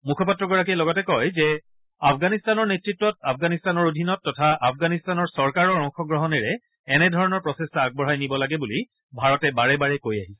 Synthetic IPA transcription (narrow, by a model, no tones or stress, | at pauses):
mukʰɔpatɹɔɡɔɹak̬ijlɔɡɔtɛkɔjzɛ | apʰɡanistanɔɹnetɹitːɔt̚apʰɡanistanɔɹodʱinɔtːɔtʰaʔafɡanistanɔɹsɔɹkaɹɔɹɔŋxɔɡɹɔɦɔnɛɹɛ | ɛnɛdʱɔɹɔnɔɹpɹɔsestaaɡ̚bɔɹɦajnibɔlaɡɛbuli | bʱaɹɔtɛbaɹɛbaɹɛkojaɦisɛ̥